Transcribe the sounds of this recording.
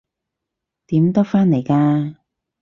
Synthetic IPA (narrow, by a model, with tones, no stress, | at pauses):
t̪iː˨˥mt̪ɔ˥k̚faː˥ne˨˩jkaː˧